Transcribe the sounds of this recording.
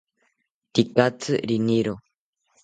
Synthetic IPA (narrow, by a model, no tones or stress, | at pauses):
t̪ikat͡sɨɾiniɾo